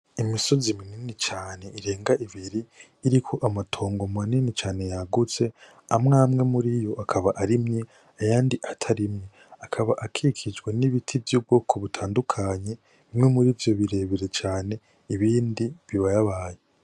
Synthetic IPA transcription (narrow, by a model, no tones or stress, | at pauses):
imiso̞zimininit͡ʃaːne̞ʔiɾe̞ːŋɡaʔiβiɾiː | ɾikʰo̞ʔamatʰo̞ːŋɡo̞maninit͡ʃaːne̞jaɡut͡se̞ | amŋaːmŋe̞muɾijo̞ʔakʰaβaʔaɾimɲe | ajaːndiʔatʰaɾimɲe | akʰaβaʔakʰikʰid͡ʒɡwe̞niβitʰivjuːb̚ɡo̞ːkʰo̞βutʰaːndukʰaɲe̞ | βimŋe̞muɾiːvjo̞βiɾe̞βiɾet͡ʃaːne̞ | iβiːndiβiβajaβaje